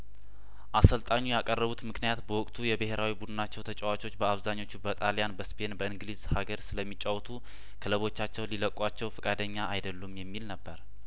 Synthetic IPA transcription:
ʔasəlt̪ʼaɲːujakʼərːəβut̪mɨknijat̪bəwɔkʼt̪ʰujɛbeɦe̞ɾawibud̪ɨnat͡ʃːɛwt̪ʰət͡ʃʼɛwat͡ʃʼo̞t͡ʃːbəaβzaɲːo̞t͡ʃːubət̪ʼalijanbəspʰe̞nbəɨŋɡlizhaɡəɾsɨləmːit͡ʃʼawt̪ʰu | kʰələβo̞t͡ʃːat͡ʃːɛwliləkʼːat͡ʃːɛwfɨkʼad̪əɲːaːjd̪əlːumjɛmːilnəbːəɾ

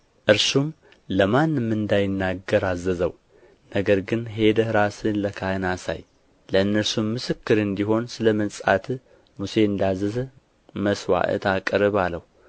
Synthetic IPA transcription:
ʔɨɾsum | ləmanːɨmːɨnd̪ajɪnːaɡːəɾazːəzəw | nəɡəɾɡɨnɦe̞d̪əhɾasɨnləkʰahɨnasa̰j | ləɨnːəɾsumːɨsɨkːɨɾɨnd̪iɦo̞nsɨləmənsʼat̪ʰ | muse̞ɨnd̪azəzə | məswa̰ʔə̰t̪ʰakʼɾɨβaləhu

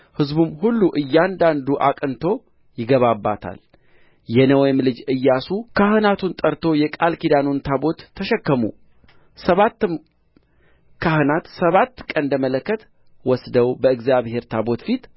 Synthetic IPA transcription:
hɨzbumhulːuʔɨjːand̪and̪uʔa̰kʼɨnt̪ʰo̞ | jɪɡəβabːa̰t̪ʰa̰l | jɛnəwjmlɨd͡ʒɨjːasukʰahɨnat̪ʰunt̪ʼəɾt̪ʰo̞jɛkʼalkid̪anont̪ʰabo̞t̪ʰːəʃɛkːəmṵ | səβat̪ːɨm | kʰahɨnat̪səβat̪ːkʼənd̪əmələkːət̪ | wɔsd̪əwbəɨɡzjaβhe̞ɾt̪ʰabo̞t̪fit̪

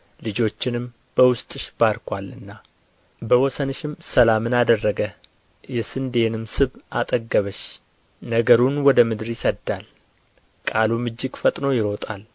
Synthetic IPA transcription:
lɨd͡ʒo̞t͡ʃːɪnɨm | b̥əwʊst̪ʼɨʃb̥aɾkʰʷalɨnːa | bəwɔsənʃɪmsəlamɨnad̪ərːəɡə | jɛsɨnd̪e̞nɨmsɨβʔat̪ʼəɡːəβəʃ | nəɡəɾunwɔd̪əmɨd̪ɨɾjɪsəd̪ːal | kʼalumɨd͡ʒːɪɡfət̪ʼno̞jɪɾo̞t̪ʼal

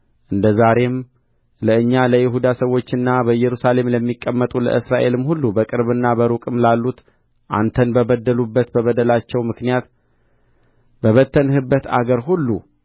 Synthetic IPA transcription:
ʔɨnd̪əzaɾe̞m | ləɨɲːaləjɪɦud̪asəwːot͡ʃːɨnːabəɨjɛɾusale̞mləmːikʼːəmːət̪ʼulə̰ʔɨsɾaʔe̞lɨmhulːubəkʼɨɾβɨnːabəɾukʼɨmlalːut̪ | ʔa̰nt̪ʰənbəbəd̪ːəlubːət̪bəβəd̪əlat͡ʃːɛwmɨknijat̪ | bəβət̪ʰːənhɨbːət̪a̰ɡəɾɦulːu

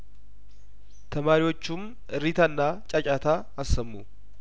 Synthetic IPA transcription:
t̪ʰɐmaːɾɪwɔt͡ʃːum | ɨɾit̪ɐnːaːt͡ʃʼɐt͡ʃʼat̪aː | ɐsːɐmːu

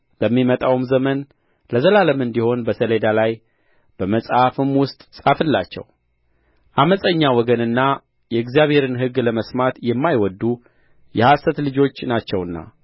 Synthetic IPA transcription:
ləmːimət̪ʼawmzəmən | ləzəlaləmɨnd̪iho̞nbəsəled̪alaj | b̥əməsʼafɨmwʊst̪ʼsʼafɨlːat͡ʃːɛ̰w | ʔaməsʼəɲːawɔɡənɨnːa | jɛɨɡzijaβhe̞ɾɨnɦɨɡləməsmat̪jɛmːajwɔd̪ːu | jɛhasət̪lɨd͡ʒo̞t͡ʃːnat͡ʃːɛwɨnːa̰

